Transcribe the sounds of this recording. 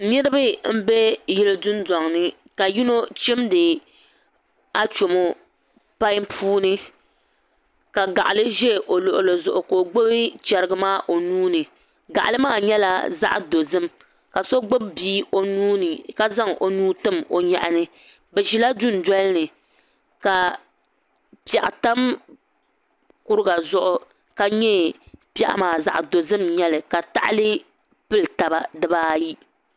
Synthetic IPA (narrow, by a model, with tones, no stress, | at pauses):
nɨ˦ɾɨ˦bɨ˦m̩˦be˦jɪ˦lɨ˦dʊ˦n˦dɔ˨ŋnɨ˦ | ka˨ji˦no˦t͡ʃɛ˦mdɨ˨ | a˦t͡ʃo˨mo˦ | pa˦jmpʰuː˦nɨ˦ | ka˨ɡa˨ʔa˨lɨ˦ʒe˦˨ʔo˨lʊ˨ʔʊ˨lo˨zʊ˨ʔʊ˨ko˨ɡ͡bo˦bɨ˦t͡ʃɛ˨ɾɨ˨ɡɨ˦maː˦ʔo˨nuː˦nɨ˨ | ɡa˨ʔa˨lɨ˦maː˦˨ɲɛ˦la̰˦za̰˦ʔdo˨zɨ˦m | ka˨so˦ɡ͡bo˦bbiː˦o˨nuː˦nɨ˨ka˦za˦ŋo˨nuː˦tɨ˦mo˨ɲa̰˨ʔa˨nɨ˦ | bɛ˨ʒi˨la˦du˦n˨dɔ˦lɨ˦nɨ˨ | ka˨ | pi˨ɛ˨ʔta˦m | kʊ˦ɾɨ˦ɡa˨zʊ˦ʔʊ˦ | ka˨ɲɛ˦ | pɛ̰˨ʔa̰˦maː˨za̰˦ʔdo˨zɨ˦mɲɛ˦lɨ˨ka˨ta̰˦ʔlɨ˦ | pɨ˦lta˨ba˨dɨ˦baː˦ji˦